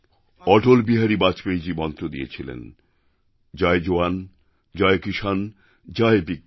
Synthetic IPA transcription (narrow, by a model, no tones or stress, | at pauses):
ɔʈolbiɦaɾibat͡ɕpejd͡ʑimɔnt̪ɾod̪iet͡ɕʰilḛn | d͡ʑaed͡ʑoan | d͡ʑaekiʃan | d͡ʑaebik̚